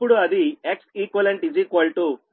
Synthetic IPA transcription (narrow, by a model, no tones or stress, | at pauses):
uɽuɐd̪ieksiːkʋɐlɐɳʈɖid͡ʒiːkɐlʈu